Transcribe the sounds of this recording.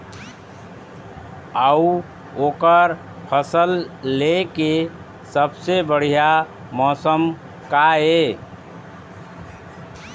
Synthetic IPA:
əu | okəɾ | pʰəsəlːeke | səbsebəɽ̤ija | mɔsəm | kae

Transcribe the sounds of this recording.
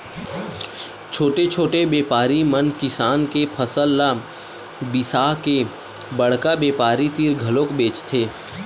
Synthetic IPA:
t͡ʃʰoːʈet͡ʃʰoːʈebeːpaːɾimənkɪsaːnkepʰəsəlːa | bɪsaːke | bɐɽ̤kabeːpaːɾit̪iːɾɡʱɐlõːkbeːt͡ʃt̪ʰeː

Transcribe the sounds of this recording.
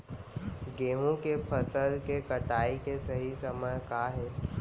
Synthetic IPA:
ɡeːɦũkepʰɐsəlkekɐʈaːikesɐɦisɐməjkaːɦɛː

